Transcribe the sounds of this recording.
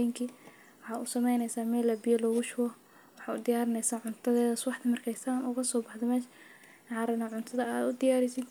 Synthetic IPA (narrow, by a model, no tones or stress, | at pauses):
ŋkʰiː | wɑħɑːʊsɐmɛjnɛjsaːmɛːlɐbɪjɐlɔːɣʊʃwɐ | wɑħɑːʊd̪ɪjaːɾɪnɛjsaːʕʊnt̪ʰɐðɛːðɐswɑħt̪ʰɪmɐrkʰɛjst̪ʰaːnʊːɣɐsɔːbɑħd̪ɔmɛːʃ | ʕɑɾɪnɐʕʊnt̪ʰɐðɐaːd̪ʊd̪ɪjaːɾɪsɪd̪